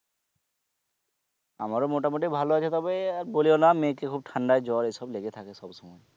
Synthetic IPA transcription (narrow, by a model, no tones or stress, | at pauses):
a̰maɹɔmoʈamoʈibʱaloat͡ʃʰɛt̪ɔbeaboliɔnamekekʰub̚ʈʰaɳɖajd͡ʒɔɹejsɔbleɡet̪ʰakɛsɔbsɔmɔj